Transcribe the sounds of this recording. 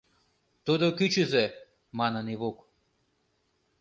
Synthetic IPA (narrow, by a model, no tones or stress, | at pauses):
t̪od̪ɔkit͡ʃizɛ | mananiβok